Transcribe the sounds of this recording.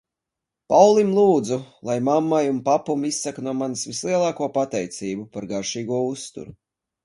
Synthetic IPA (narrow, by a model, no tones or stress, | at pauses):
pawlˠimlˠuːd̪zulˠajmamːajunpapumisːaknuɔmansvislˠiɛlˠaːkuɔpat̪ɛjt̪siːbupaɾɡaɾʃiːɡuɔust̪ṵɾu